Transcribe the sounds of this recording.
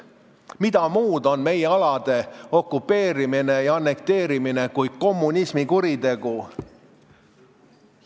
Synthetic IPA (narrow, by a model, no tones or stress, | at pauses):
mid̪ɑmuːd̪o̞nme̞jeɑlɑd̪̥e̞o̞kːˑupːˑe̞ːɾimine̞jɑɑnːe̞k̚t̪e̞ːɾimine̞kuj̥ko̞mːunismikuɾid̪e̞ɡ̥u